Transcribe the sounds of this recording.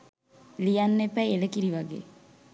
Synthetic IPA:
lijɐnːepːɛjelekiɾiʋɐɡḛː

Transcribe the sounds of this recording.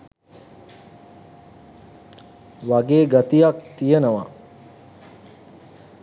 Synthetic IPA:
ʋaɡeːɡat̪ijakt̪ijenəʋa

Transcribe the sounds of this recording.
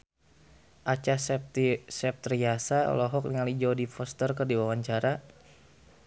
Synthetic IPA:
ʔat͡ʃassɛp̚t̪riasaɔ̰lɔɦɔk̚niŋalid͡ʒɔwdifɔst̪ərkərdiwawaɲt͡ʃaɾa

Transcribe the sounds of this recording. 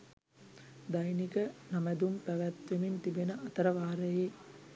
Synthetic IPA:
d̪ajnikənamæd̪umpæʋæt̪ʋemint̪ibenəɐt̪ɐɾəʋaːɾəjeː

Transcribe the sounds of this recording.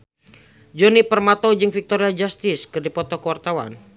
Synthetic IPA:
d͡ʒɔnipərmat̪ɔd͡ʒɨŋfik̚t̪ɔɾiad͡ʒast̪ɪskɨrdipɔt̪ɔkəwart̪awa̰n

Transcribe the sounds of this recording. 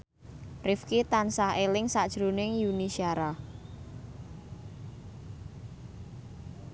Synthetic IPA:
rɪfkit̪ansahelɪŋsad̥ʒ̥ɾunɪŋjunisiaɾa

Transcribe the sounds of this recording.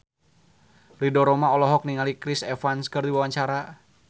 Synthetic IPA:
lidɔɾɔmaɔlɔɦɔk̚niŋalikɾisɛfanskərdiwawaɲt͡ʃaɾa

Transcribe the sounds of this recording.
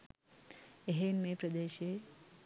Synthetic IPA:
eɦenmepɾəd̪eʃe

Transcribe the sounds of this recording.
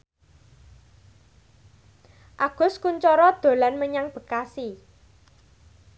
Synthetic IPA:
ʔaɡ̥ʊ̤skuɲt͡ʃɔɾɔd̪̥o̤lanməɲaŋb̥ə̤kasi

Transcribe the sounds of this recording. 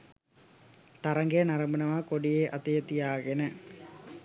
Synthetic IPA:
t̪ɐɾɐŋɡejnɐɾɐmbənɐʋakoɖijeːʔɐt̪ejət̪ijaːɡenə

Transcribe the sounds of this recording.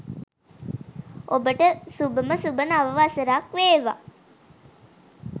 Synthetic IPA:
ʔobəʈəsubəməsubənaʋəʋaseɾaːkʋeːʋa̰

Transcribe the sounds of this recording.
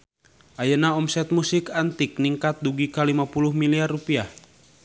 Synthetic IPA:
ʔajənaɔmsɛt̪̚musikant̪ik̚niŋkat̪̚duɡikalimapuluhmiliarːupiah

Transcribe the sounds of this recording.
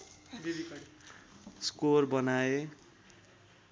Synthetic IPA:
bii | skorbʌnae

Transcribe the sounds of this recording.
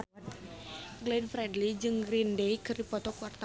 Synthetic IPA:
ɡlɛnfɾɛdlid͡ʒɨŋɡɾindejkɨrdipɔt̪ɔkuart̪a

